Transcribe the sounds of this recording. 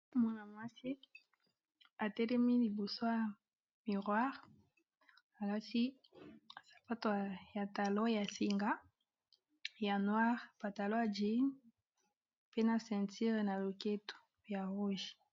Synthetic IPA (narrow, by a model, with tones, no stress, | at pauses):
ma˦na˨mwa˦si˦ | a˨tɛ˦lɛ˦mi˦li˨bo˨so˦ja˨ | mi˨ʁwa˦ʁ | a˨la˦si˦ | a˨sḁ˨pa˦to˨a˨ja˨ta˨lo˦ja˨si˨ŋɡa˦ | ja˨nwa˦ʁpa˨ta˨lo˦ja˨d͡ʒi˨˦n | pe˦na˨sɛ̃˨nti˦ʁna˨lo˨ke˦to̥˨ | ja˨ʁu˦ʒ